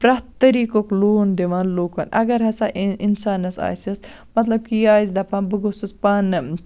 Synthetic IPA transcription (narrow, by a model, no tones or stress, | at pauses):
pɾɐt̪ːɐɾiːkokloːnd̪eʋaːnloːkɐ̰nɐ̰ɡɐɾɦɐsaʔinsaːnɐsa̰ːsɐs | mɐt̪lɐb̚kijaːzd̪ɐpɐnbɨɡususpɐn